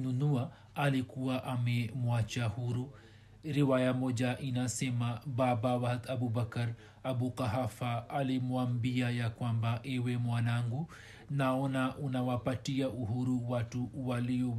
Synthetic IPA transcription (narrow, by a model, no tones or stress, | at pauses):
nunua | alikuaʔamɛmwat͡ʃahuɾu | ɾiwajamɔd͡ʒaʔinasɛmababawahtabubakaɾ | abukaɦafaːlimuambiajakwambaʔɛwɛmwanaŋɡu | naɔnaʔunawapatiaʔuɦuɾuwatuwaliɔ